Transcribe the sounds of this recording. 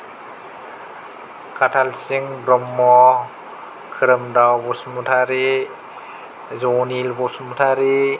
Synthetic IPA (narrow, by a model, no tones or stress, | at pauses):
kʰatʰalsiŋbɾɔmːɔ | kʰɯɾɯmdawbɔsmutʰaɾe | zɔnilbɔsmutʰaɾi